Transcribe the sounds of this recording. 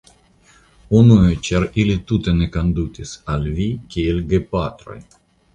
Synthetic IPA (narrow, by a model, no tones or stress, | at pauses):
unuet͡ʃɛɾilit̪ut̪enekand̪ut̪ʲisalʲvikʲeilɡepat̪ɾo̰j